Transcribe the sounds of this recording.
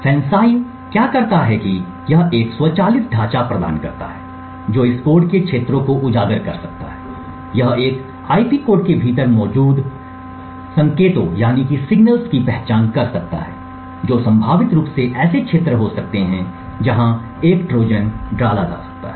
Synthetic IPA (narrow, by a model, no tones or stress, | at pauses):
fʰɛ̃ːnsaːɪn | kjaːkɐɾt̪aɦɛki | jɐɦeːkswət͡ʃaːliːsɖʱaːt͡ʃapɾɐd̪a̰ːnkɐɾt̪a̰ɦɛː | d͡ʒoːɪskoːɾɖkekʃʰeːt̪ɾõkoʔʊd͡ʒaːɡəɾkɐɾsɐk̚t̪a̰ɦɛː | jɐɦeːk | aːipiːkoːɖ̚kebʱiːt̪əɾmɔːd͡ʒuːd̪ | sɐ̃ŋkeːt̪õjaːnikisɪɡnəlskipɛɦt͡ʃaːnkɐɾsɐk̚t̪a̰ɦɛ̰ː | d͡ʒoːsɐ̃mbʱaːʋɪt̪ɾuːpseʔɛːsekʃʰeːt̪ɾəɦosɐk̚t̪eɦɛ̃ | d͡ʒɐɦã | eːkʈɾoːd͡ʒənɖɾaːlad͡ʒa̰ːsɐ̥k̚t̪a̰ɦɛː